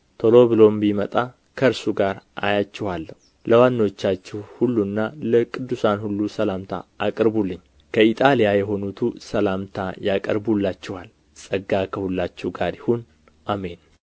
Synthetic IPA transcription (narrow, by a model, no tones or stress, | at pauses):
t̪ʰolo̞βɨlo̞mbimət̪ʼa | kʰəɾsuɡaɾʔa̰jat͡ʃːɪhalːəhu | ləwanːot͡ʃːat͡ʃːɪhhulːunːaləkʼɨd̪ːusanhulːusəlamt̪ʰa̰ːkʼəɾbulːɨɲː | kʰəit̪ʼalijajɛɦo̞nut̪ʰusəlamt̪ʰajakʼə̰ɾbulːat͡ʃːɪhal | sʼəɡːakʰəhulːat͡ʃːuɡaɾjɪhun | ʔame̞n